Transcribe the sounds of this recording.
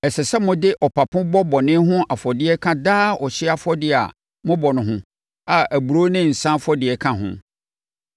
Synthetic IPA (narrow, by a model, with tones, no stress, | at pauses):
ɛ˨sɛ˨sɛ˦mʊ̃˦dɪ˦ʔɔ˨pʰa˨pʰʊ̃˦bɔ˦bɔ˨nɪ̃˦ɦʊ̃˦ʔa˨fɔ˨dɪ˦ɛ˦kʰã˦daː˦ɔ˨ɕɪ˦a˦fɔ˦dɪ˦a̰˨ | mʊ̃˦bɔ˨nʊ̃˨ɦʊ̃˦˨ | a˨æ˨bu˨ɾo˦nɪ̃˦n̩˨sã˦fɔ˦dɪ˨ɛ˨kʰã˦ɦʊ̰̃˨